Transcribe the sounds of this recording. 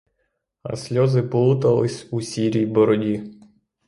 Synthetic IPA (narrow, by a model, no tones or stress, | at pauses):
ɐ̰sʲlʲɔzɪpɔlˠut̪ɐlˠɪsʲusʲiɾʲijbɔɾɔdʲi